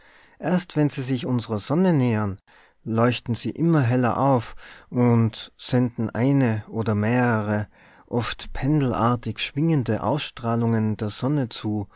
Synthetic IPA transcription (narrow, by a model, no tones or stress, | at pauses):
ʔeːɐstv̥ɛnziːzɪçʔʊnzəʁəzɔnəneːɐn | lɔʏçtn̩z̥iːʔɪmɐɦɛlɐ̰ʔaʊfʔʊntz̥ɛndn̩ʔa̰ɪnəʔoːdɐmeːʁəʁ̞ə | ʔɔftpʰɛndl̩ʔa̰ːɐtɪçʃv̥ɪŋəndəʔa̰ʊsʃtʁ̥aːlʊŋəndeːɐz̥ɔnət͡suː